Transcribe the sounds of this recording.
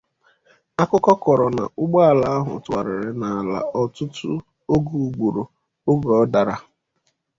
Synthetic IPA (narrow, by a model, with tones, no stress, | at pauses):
a˦kʊ˦kɔ˦kɔ˨ɾɔ˨na̰˨ʊ˦ɡ͡ba˦a˨la˨˦a˦ɦʊ̰˨ta˨ɾɪ˨ɾɪ˨na˨la̰˨ɔ˨tʊ˦tʊ̰˦ | o˦ɡu˨u˨ɡ͡bu˨ɾo˨ | ʊ˦ɡɔ˨ɔ˦da˨ɾa˦